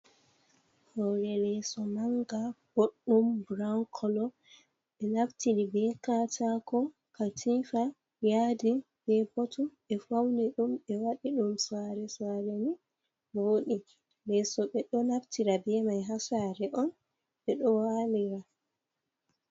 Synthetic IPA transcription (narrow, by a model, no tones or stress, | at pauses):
hawɾɛlɛsɔnaŋɡab̥oɗːumbɾaŋkʰɔlɔ | ɓɛnaftiɾibɛkaːtakɔ | katʰifa | jadi | b̥ɛbɔtʰuɓɛfawnɛɗumɓɛwaɗiɗumsaɾɛsaɾeni | woːɗi | lɛsɔɓɛɗɔnaftiɾabɛmajɦasaɾɛʔɔn | ɓɛɗɔwaliɾa